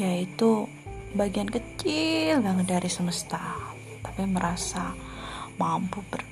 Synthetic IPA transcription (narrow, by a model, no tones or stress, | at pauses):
jait̪u | baɡiankət͡ʃilbaŋədaɾisəməst̪a | t̪ḁpiməɾasa | mampubər